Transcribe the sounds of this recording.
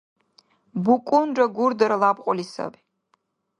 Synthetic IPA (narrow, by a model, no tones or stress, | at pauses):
bukʷʼʊnd͡ʒɐɡʷʊrd̪ɐɾɐlaːbqʷʼɔlisɐ̰b